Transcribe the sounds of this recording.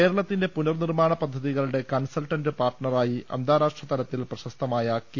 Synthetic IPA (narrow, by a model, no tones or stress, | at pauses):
e̞ːɾɐɭɐt̪ːinde̞punɐrnirmaːɳɐpɐd̪ʱːɐðiɣɐɭuɽe̞kɐnsɐlʈɐnɖɨpaːrʈɳɐraːjiʔɐ̰nd̪ʱaːɾaːʂʈrɐt̪ɐɾɐt̪ːilprɐɕɐst̪ɐmaːjɐk